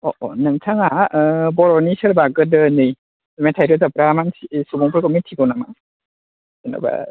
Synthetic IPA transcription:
ɔʔɔ̰nɯŋtʰaŋaʔbɔɾɔnisɯɾbaɡɯdɯnːɯj | amajtʰajɾɯzap̚ɾamansisubɔŋpʰɯɾkɔmintʰiɡɔwnama̰ŋ | sɯna̰ba̰

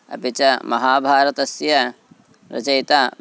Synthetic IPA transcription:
ɐ̰pit͡ʃɐmɐɦaːbʱaːɾɐt̪ɐsjɐ | ɾɐ̰t͡ʃɐjt̪aː

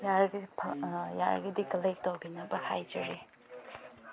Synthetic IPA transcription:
jaɾɡipʰja̰ɾɡid̪ikɐlek̚towbinɐbɐhajd͡ʒɐɾe

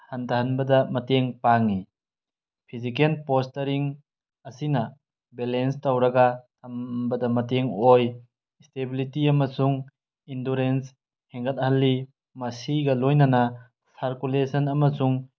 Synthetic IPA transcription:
hantʰaɦanbɐdɐmɐteŋpaŋi | pʰizikelpostɐɾiŋ | ɐsinɐ | belenstawɾɐɡɐtʰɐmbɐdɐmɐteŋoj | stebilitiɐmɐsuŋ | indoɾens | heŋɡʰɐt̚halːi | mɐsiɡɐlojnɐnɐ | saɾkulesɐnɐmɐsuŋ

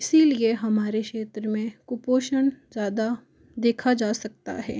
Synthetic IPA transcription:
ɪsilieɦɐmaːɾekʃeːt̪ɾəmẽkʊpoːʃənzjaːd̪a | d̪eːkʰad͡ʒaːsɐk̚t̪a̰ɦɛ̰ː

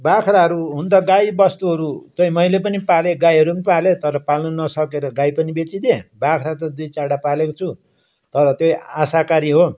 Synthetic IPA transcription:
bakʰraɦʌɾuɦund̪ʌɡajbʌst̪uɦʌɾut̪ʌimʌilep̬ʌnipaleɡajɦʌɾunipalet̪ʌɾʌpalnunʌsʌkeɾʌɡajpʌnibet͡sid̪ebakʰɾat̪ʌd̪ujt͡saɽapalekot͡sʰu | t̪ʌɾʌt̪joasakaɾiɦo

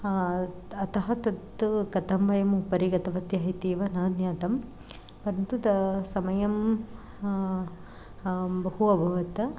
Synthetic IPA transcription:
ɐt̪ɐɦɐt̪ɐt̪ːkɐt̪ɐmʋɐjɐmupɐɾiɡɐt̪ɐʋɐt̪jɐɦit̪iːʋɐnɐːd̪jaːt̪ɐm | pɐɾnt̪ut̪ɐsɐmɐjɐm | bɐhuɐbʱɐʋɐt̪ɐ

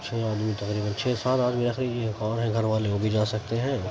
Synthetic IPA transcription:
t͡ʃʰeːaːd̪mit̪ɐqɾiːbənt͡ʃʰeːsaːt̪aːdmeːɾaxɾiːd͡ʒiɦɛ̃kɔːɾɦɛ̃ɡʱɐɾʋaːleobʱid͡ʒaːsɐk̚t̪eɦɛ̃ː

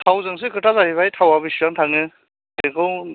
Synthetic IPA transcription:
tʰawzɯŋs̬ɯkʰɯtazaɾiβajtʰawabɯsuɾaŋtʰaŋɯ | ɯkʰɯw

